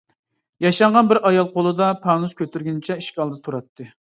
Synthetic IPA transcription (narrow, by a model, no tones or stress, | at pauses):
jɑʃɑɴʁɑnbɪɾɑjɑlˠqʰolˠɨd̪ɑpʰɑnuskʲʰøt̪yɾɡʲynt͡ʃʰɛiʃkʲɑlˠd̪ɑt̪ʰuɾɑt̪ʰːɨ